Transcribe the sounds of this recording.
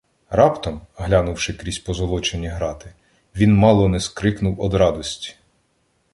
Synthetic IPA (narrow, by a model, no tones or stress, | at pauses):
ɾɑpt̪ɔmɦlʲanʊwʃɪkɾʲisʲpɔzɔlˠɔt͡ʃenʲiɦɾɑt̪ɪ | ʋʲinmɑlˠɔnɛskɾɪknʊwɔd̪ɾɑd̪ɔsʲtʲi̥